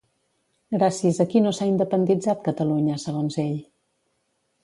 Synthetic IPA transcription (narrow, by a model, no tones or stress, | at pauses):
ɡɾasiəzəkinosaind̪əpənd̪id͡zat̪̚kət̪əluɲəsəɣ̞onzeʎ